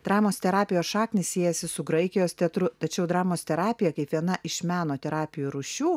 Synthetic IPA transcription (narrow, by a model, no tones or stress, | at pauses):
d̪ɾɑːmoːst̪ʲɛɾɑːpʲɪjoːsʃɑːknʲɪssʲiɛjɛsʲɪsʊɡɾɐɪkʲɪjoːst̪ʲɛt̪ɾʊt̪ɐt͡ʃʲɛʊd̪ɾɑːmoːst̪ʲɛɾɑːpʲɪjɛkɐɪpʋʲiɛnɐʔɪʃʲmʲæːnoːt̪ʲɛɾɑːpʲɪjuɾuːʃʲuː